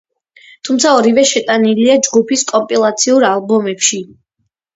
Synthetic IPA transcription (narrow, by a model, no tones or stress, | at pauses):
t̪ʰumt̪sʰaɔɾivɛʃɛt̪ʼaniliad͡ʒɡupʰiskʼɔmpʼilˠat̪sʰiuɾalˠbɔmɛpʃi